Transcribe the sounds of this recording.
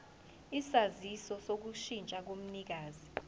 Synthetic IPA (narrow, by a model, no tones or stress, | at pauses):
isazisɔsok̬uʃint͡ʃʼak̬om̩nik̬aːzi